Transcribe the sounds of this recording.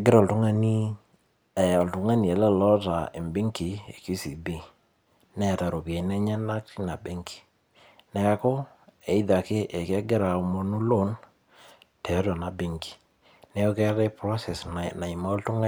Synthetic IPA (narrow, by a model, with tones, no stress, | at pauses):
e˨ɡɪ˦ɾa˨ltʊ˦ŋa˦ni˦ | ɛ˨ɔ˨ltʊ˨ŋa˦ni˨ɛ˨lɛ˦lɔ˦ta˨ɪ˨mbɪ˦ŋki˨e˨ki˦si˨bi˦ | nɛ˨ta˨ɾo˨pja˨i˨nɛ˦ɲɛ˦na˦kti˦na˨be˦ŋki̥˨ | nɛ˨ka˨ko˦ | e˨i˦ða˨kɪ˦ʔe˨kɛ˦ɡɪ˦ɾa˨˦mo˦nu˦lo˦n | tɛ˨˦tɔ˨na˨bɪ˦ŋki̥˨ | nɛ˦ɔ˦kɛ˦ɾɛ˦pɾɔ˦sɛ˨sna˨ɪ˨ma˦ltʊ˦ŋa˦